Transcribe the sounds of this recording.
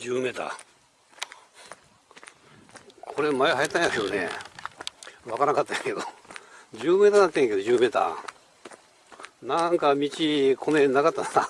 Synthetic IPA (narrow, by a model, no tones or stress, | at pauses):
d͡ʑɨːmet̪a̰ | kʰoɾemajeɦajit̪ːãj̃jaked̪onḛ | βakaɾãŋkat̪ːajaked̪od͡ʑɨːmet̪anat̪ːẽkeod͡ʑɨːmet̪a̰ | nãŋkamʲit͡ɕikʰonenakat̪ːanat̪a